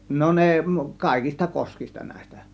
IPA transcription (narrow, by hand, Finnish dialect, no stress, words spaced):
no ne kɑˑe̝kistɑ koskistɑ næˑe̝s̆tæ